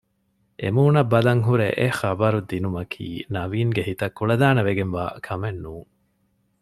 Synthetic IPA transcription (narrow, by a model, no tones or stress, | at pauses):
ʔḛmuːnɐbːɐlɐŋɦuɾeʔexɐbɐɾud̪inumɐkʰḭːnɐʋiːŋɡeɦit̪ɐkːuɭɐd̪aːnɐʋeɡenʋa̰ːkʰɐmenːuːŋ